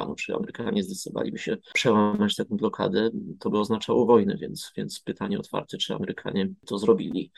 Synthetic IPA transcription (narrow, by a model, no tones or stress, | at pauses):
a̰nut͡ʂɨia̰mɛɾɘkaɲɛzlʲit̪sɔva̰lʲibɕɛpʂɛwamat͡ɕt̪akɔ̃w̃blɔkʰa̰d̪ɛt̪ɔbɘɔznat͡ʂawɔvɔjnɛvʲjɛnt̪svʲjɛnt̪spɘt̪ʰaɲɛɔt̪fa̰ɾt̪ɛt͡ʂɘa̰mɛɾɘkʰa̰ɲɛt̪ɔzɾɔbʲilʲi